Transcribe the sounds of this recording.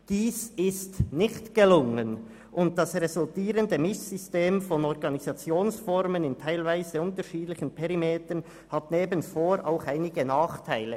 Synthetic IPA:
d̥iːsɪstnɪçtɡ̥əlʊŋən | ʔʊnt̚d̥ɑsʁɛzʊltiːɾəndəmɪsːʏsteːmfɔnɔɾɡɑnizɑt͡sjoːnsfɔɾmənɪntʰaɪlvaɪzəʊntəʃiːdlɪçənpʰɛʁimeːtən | hatneːbənfoːɾʔa̰ʊxaɪnɪɡənaːχtʰaɪlə

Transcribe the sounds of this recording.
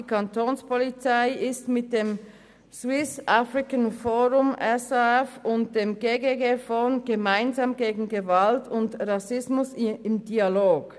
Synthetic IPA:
ikʰantʰoːnspʰɔlit͡saɪʔɪstmɪt̚d̥eːm | z̥wɪsʔafʁɪkənfoːʁʊmɛsɛfʊnt̚d̥eːmɡeːɡeɡeːfɔnɡ̥əmaɪnzaːmɡeːɡŋ̩ɡəvaltʰʊntʁɑsɪsmʊsɪmdiːaloːɡ̥

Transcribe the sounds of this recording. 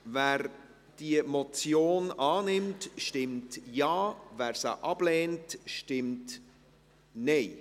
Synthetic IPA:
væːɾ | d̥iəmɔt͡sjoːnɑːnɪmtʃtɪmtjɑːvæːɾsa̰ʔɑb̥lɛːntʃtɪmt | nɛɪ

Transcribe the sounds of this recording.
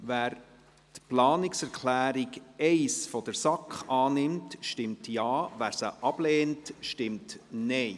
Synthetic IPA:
væːɾ | tplɑːnɪksɛɾkʰlæːɾiɡɛɪsfɔd̥̪əɾsɑkχɑːnɪmtʃtɪmtjɑːʋæːɾsəʔɑb̥lɛːntʃtɪmtnɛɪ

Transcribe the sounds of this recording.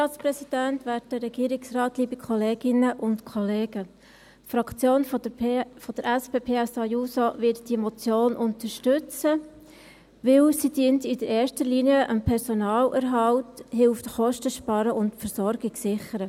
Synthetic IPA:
ɑːt͡sprɛsid̥æntvæːt̚dəɾɛɡ̥iːɾɪksrɑːtliːbikʰχɔleːɡ̥ɪnəʔʊntkʰɔleːɡə | tfɾɑkt͡sjoːnffɔd̥əɾɛspeːpʰeːɛsɑjuːsovɪtd̥imɔt͡sjoːnʔʊntəɾʃtʉt͡sə | ʋɪlsid̥iəntɪdəɾɛːɾʃtəliniəʔəmpʰɛɾsonɑːlʔɛɾɦɑlthɪlftχɔʃtəʃpɑɾəʔʊntfəɾsɔɾɡ̥ɪksɪχəɾə

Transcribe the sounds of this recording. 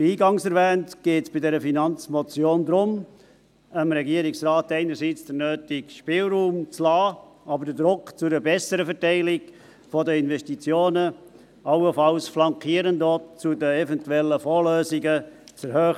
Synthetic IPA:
iːɡɑŋsɛɾvɛːntɡ̥eːtsb̥ɪdɛɾəfinɑnt͡smɔt͡sjoːnd̪ɾʊm | əmɾɛɡiəɾɪksrɑːtɛɪnəɾsiːt͡sd̥əɾnøːtɪkʃpɪːlɾuːmt͡slɑː | ɑbəɾd̥ədɾʊkt͡sʊdəbɛsəɾəfɛɾtɛɪlɪɡ | fɔdəɪnvɛstit͡sjoːnə | ɑwəfɑlsflɑŋkiːəɾəndot͡sudəɛvɛntuɛlːəfoːløːzɪɡət͡sɛɾhøː

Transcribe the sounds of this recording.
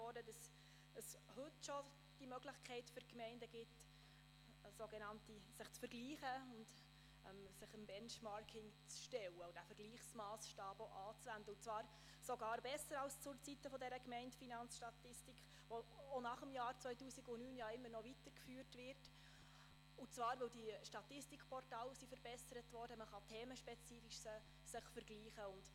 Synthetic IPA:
ɔːdədɑs | əshɵtʃɔ | d̥imœɡlɪχkʰɛɪtfʏrkmɛɪndəɡɪt | soɡɛnɑntisɪχt͡sfəɾɡ̥liːχəʊnd | ɛ̰msɪχəmbɛnʃmɑɾkʰɪŋt͡sʃtɛwəʊd̥æfəɾɡ̥liːχsmɑːsʃtɑːboʔɑːt͡svændəʊnt͡svɑːɾ | soɡɑːɾbɛsːəɾɑlst͡sʊɾt͡sitːəfɔdɛɾəkmɛɪntfinɑnt͡sʃtɑt̪ɪstikχ | ʋoonɑχəmjɑːɾt͡sʋœʏtuːsiɡʊnyːnjɑɪmːəɾnɔvitəɾkfyːrtʋɪrt | ʊt͡sʋɑːɾʋɵldiʃtɑt̪ɪstikʰpʰɔrtɑːlsifəɾbɛsəɾətvɔːɾdəməχɑtʰeːməʃpɛt͡siːfiʃsə | sɪχfəɾɡliːχəʊnd̥

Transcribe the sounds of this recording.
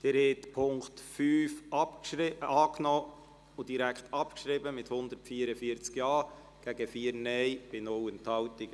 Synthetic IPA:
d̪̥eɾhɛtpʰʊŋktfyːfɑpɑːknɔ | ʊd̥iɾækχtɑpkʃɾɪbəmɪthʊnd̪əɾtfiːəɾəfiəɾt͡skjɑː | ɡ̥æɡəfiːəɾnɛɪb̥ɪnʊwənt̪hɑwtɪɡ

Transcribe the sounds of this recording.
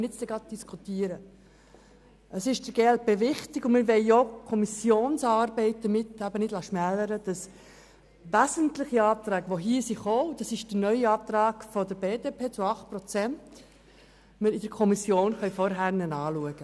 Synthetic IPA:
nɪtt͡sd̥ɛɡɾɑd̪̚d̥iskʰut̪iəɾə | ʔəsɪʃd̥əɾɡ̥elt̚beːʋɪχtɪɡʊnmɪɾʋɛɪokʰɔmisjoːnsɑɾbɛɪt̚d̥̪əɾmɪtːæbənɪdlɑʃmæləɾəd̥ɑs | ʋæzəntlɪχiɑːp̚t̪ɾæːɡʋoɦiːəsiχoːʊd̥ɑsɪʃd̥ənœʏiɑːp̚t̪ɾɑːɡ̥fɔdəɾbeːdepʰeːt͡sʊɑχt̚pɾɔt͡sɛnt | məɾɪd̥əɾkʰɔmisjoːnχœʏfɔɾɦæɾnɛnɑːluəɡ̥ə

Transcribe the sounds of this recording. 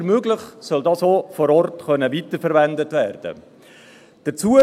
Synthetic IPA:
ɾmøːɡlɪχsœldɑːsoːfɔɾɔrtχœnəʋitəɾfɛɾʋændətvæːrd̥ə̰ | d̥ət͡suːə

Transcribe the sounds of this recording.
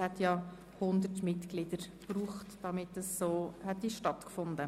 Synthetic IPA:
hɛtjɑ | hʊndəɾtmɪtklɪd̥əɾb̥ruːχtd̥ɑmɪtːɛsːoːhɛt̚diːʃtɑtkfʊndə

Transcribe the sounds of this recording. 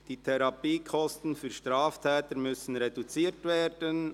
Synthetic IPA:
d̥iːtʰɛɾɑpiːkʰɔstn̩fyːʃtɾaːftʰɛːtəɾmʏsən̩ɾedut͡siːɾtveːɾd̥ən

